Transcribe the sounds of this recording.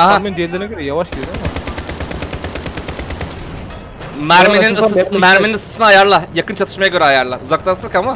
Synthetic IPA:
aɦamend̪ijelʲeɾinɛɟøɾɛjavaʃlʲijod̪emɛ | mæɾmeninsmæɾmeninɯsɯ̥sɯnajaɾlˠajakɯnt͡ʃʰat̪ʰɯ̥ʃmajaɟø̞ɾɛajaɾlˠauzaklˠasˠɯkama

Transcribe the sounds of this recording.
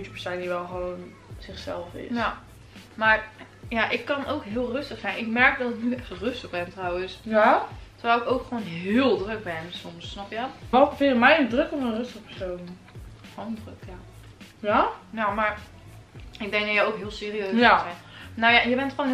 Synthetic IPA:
tə̥pəɹsaniʋɛlˠχəʋown | z̥ɪχsɛ̰lˠfɪ̰sja | maːɹ | jaʔɪkːɑnowkɦɪːlˠrɵstəχsɛjnɪkmɛɹk̚dɑtɪknyɛχtrɵstəχbɛntrawənsjtərəʋɛlˠɪkowkχʋoːnɦɪːlˠdrɵk̚bɛnsɔmsːnɑpjəɔtɛlˠkəfɪəmɛjəndrɵkɔfənrɵstəχəpɛɹsown | fɔndrəkja | anamaːɹ | ɪɡ̚dɛŋkdɔjəowkɦɪːlˠsɪːriøɥsɛjnnowjajəbɛntχʋoːn

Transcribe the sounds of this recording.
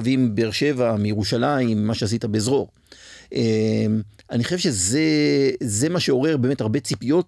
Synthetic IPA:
vimbeeʁʃe̞vamijeʁuʃalaimːaʃeas̬it̪abezʁo̞ʁ | ʔem | aniχoʃevʃezeze̞maʃeo̞ʁe̞ʁbeːmetaʁbe̞t͡sipijo̞t

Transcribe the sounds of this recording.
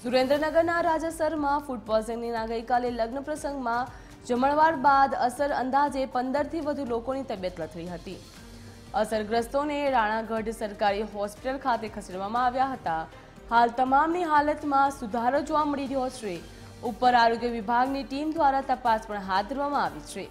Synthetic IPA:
d̪uɾẽnd̪ɾənəɡəɾnaɾad͡ʒəsəɾmãfuʈ̚bɔlsəŋninaɡəjkaleləɡnəpɾəsəŋɡmã | d͡ʒəməɭʋaɾbad̪əsəɾənd̪ad͡ʒepənd̪əɾt̪ʰiʋəd̪ʱulokonit̪əbjət̪nət̪ʰːəiɦət̪i | əsəɾɡɾəst̪oneɾaɽ̃ãɡəɖsəɾkaɾiɦɔspiʈəlkʰat̪ekʰəseɖʋamãaʋjaɦət̪a | halt̪əmamniɦalət̪mãsud̪ʱaɾod͡ʒoʋaməɽiɾəɦot͡ʃʰe | upːəɾaɾoɡjəʋibʱaɡniʈimd̪ʋaɾat̪əpaspəɳɦad̪d̪ʱəɾʋamãaʋit͡ʃʰe

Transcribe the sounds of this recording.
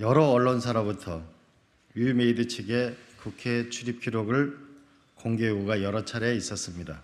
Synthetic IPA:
jʌɾʌːɭːonsʰaɾabutʰʌ | umeidɯt͡ɕʰeɡe̞kukʰe̞t͡ɕʰuɾip̚kʰiɾoɡɯɭ | koŋɡeuɡajʌɾʌt͡ɕʰaɾe̞is͈ʌs͈ɯmɲida

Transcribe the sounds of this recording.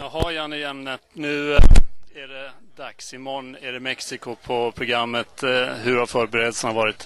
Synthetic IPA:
jɑɦajæːɳəjɛmnət̪nʉ̟ː | æɖɛd̪aksɪmɔnːæɖɛmɛksɪkʊpʰɔpʰɾʊɡɾamːət̪ɦɵɾhaɾfœːɾbɛɾeːd̪əlsənavɑːɾɪt̪

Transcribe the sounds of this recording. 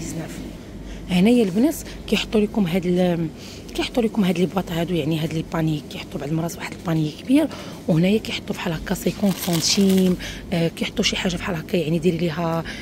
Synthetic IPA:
znæf | hnæjælbnæs | kæjħt̪ˤːulikʊmɦæd̪l | kæjħət̪ˤːulikʊmɦæd̪libwɑt̪ˤhæd̪ujaʕniɦæd̪əlbɑnijkæjħət̪ˤːubaʕd̪lmɾˤɑsfwaħəd̪əlbɑnəjikbiɾ | whnæjækæjħo̥t̪ˤːufiħɑlɑkɑsikunfɑ̃t̪im | kæjħot̪ˤːuʃiħaʒːafħalɑkɑjaʕnid̪iɾiliɦæ

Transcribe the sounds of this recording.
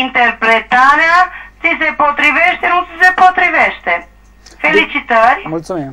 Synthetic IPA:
ĩnt̪ɛɾpɾɛt̪aɾasizeɾpɔt̪ɾivɛʃt̪enɐ̃w̃sizeɾpɾɔt̪ɾivɛʃt̪e | felˠisit̪aɾjumũj̃t̪mẽ

